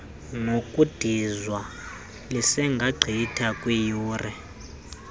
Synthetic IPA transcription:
ŋokʼud̥ʱizwa | lisɛŋɡʱaɡ͡ǀʱitʰakʼwijuːrɛ

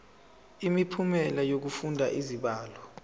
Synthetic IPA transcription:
imipʰumɛlajok̬ufundʱaʔiziɓaːlɔ

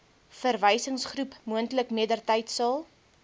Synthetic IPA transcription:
fərvəjsəŋsχrupmuəntləkmiədərtəjtsɑlˠ

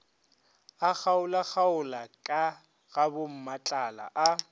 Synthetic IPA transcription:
ak͡xaʊlak͡xaʊlakʼa | ɣabʊm̩mat͡ɬʼala̰ʔa

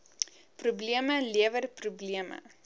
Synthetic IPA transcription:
prubliəməliəvərprubliəmə̰

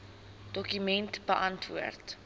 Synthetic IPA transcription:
d̥ɔkymɛntbəʔɐntvṵərt

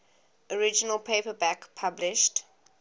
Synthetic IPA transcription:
ɔɹɪd͡ʒənəlˠpʰeɪpəbækpʰablɪʃt

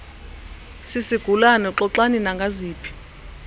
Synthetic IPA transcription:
sisiɡ̥ʱulanɔǁɔǁaninaŋɡʱaziːpʰi̥

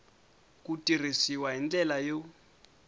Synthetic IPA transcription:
kutʼir̤isiwaɦind͡ɮɛlajo

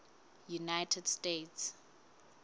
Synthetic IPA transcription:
junajtʰɛdstets

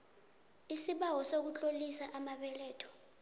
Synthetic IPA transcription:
isiɓawɔsok̬ut͡ɬʼolisaʔamaɓɛlɛːtʰɔ̥

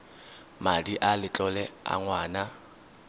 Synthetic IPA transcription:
madiʔalɪt͡ɬʼɔlɛa̰ŋwaːna

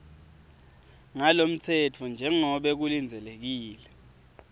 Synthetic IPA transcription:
ŋalom̩tʰɛtʰɔnd͡ʒʱɛŋɔɓɛk̬ulind͡zʱɛlek̬iːlɛ

